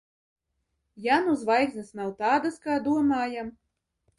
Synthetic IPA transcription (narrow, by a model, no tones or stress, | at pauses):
januzvajkznʲɨsnawt̪aːd̪askaːd̪uɔmaːjam